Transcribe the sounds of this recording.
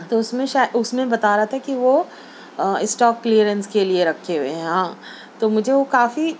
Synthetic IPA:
t̪oʊsmẽʃaːʊsmẽbɐt̪aːɾaat̪ʰakiʋo | ɪsʈɔːkːliəɾə̃nskelieɾɐkʰːeɦueɦɛ̃ɦãː | t̪omʊd͡ʒʱeʋokaːfi

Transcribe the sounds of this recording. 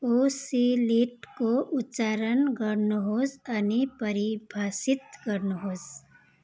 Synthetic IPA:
osiliʈkoʊtːt͡ʃaːɾənɡəɾnoɦozənipəɾibʱaːsɪt̪kəɾnoɦoz

